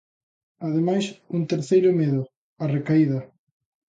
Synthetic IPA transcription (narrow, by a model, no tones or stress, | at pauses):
aðemajsuŋt̪eɾθejɾʊmeðʊ | arekaiðɐ